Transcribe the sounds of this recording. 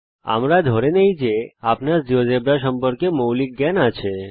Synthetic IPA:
a̰mɾad̪ʱɔɾenəid͡ʒeapnad͡ʒiʋod͡ʒebɾaʃəmpəɾkemowlik̚ɡanat͡ʃʰe

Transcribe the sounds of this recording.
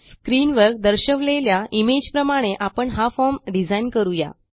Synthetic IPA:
skɾinʋəɾk̚d̪əɾɕəʋleljaimed͡ʑpɾəmaɽ̃eʔapəɳɦafɔɾmɖid͡zainkəɾuja̰

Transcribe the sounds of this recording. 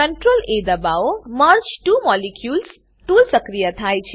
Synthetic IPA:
ʌnʈroled̪abawomʌrt͡ʃʈumɔlikjuls | t̪ulsʌkrijat̪ʰajt͡sʰ

